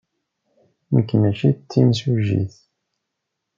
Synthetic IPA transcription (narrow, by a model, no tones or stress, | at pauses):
məkːənəʃit͡s̪ːimsuʒḭθ